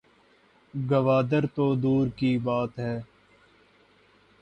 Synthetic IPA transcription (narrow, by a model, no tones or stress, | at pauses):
ɡəʋaːd̪əɾt̪oːd̪uːɾkibaːt̪ɦɛː